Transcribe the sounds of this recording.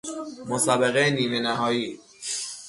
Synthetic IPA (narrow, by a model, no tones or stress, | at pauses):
mosabeɣeniːmenæɦɒːjiː